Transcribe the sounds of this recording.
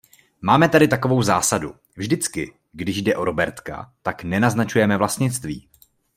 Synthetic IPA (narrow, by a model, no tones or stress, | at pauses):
maːmɛt̪adɪt̪ako̞vo̞wzaːsadu | vʒdɪt͡skɪ | ɡdɪʒdɛʔo̞ɾo̞bɛɾt̪ka̰t̪aknɛnaznat͡ʃujɛmɛvlast̪ɲɪt͡st̪viː